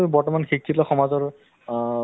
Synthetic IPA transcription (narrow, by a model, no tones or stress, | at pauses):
ubɔɹtɔmanxikʰːitɔxɔmazɔɹ